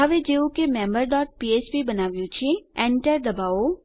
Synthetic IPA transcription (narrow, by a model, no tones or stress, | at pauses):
ɦəʋed͡ʒeːukemɛ̃ːmbəɾɖɔːʈ̚piːeːt͡ʃpibɐnaːʋijõt͡ʃʰiɛ̃ːɳʈəɾd̪ɐbaːo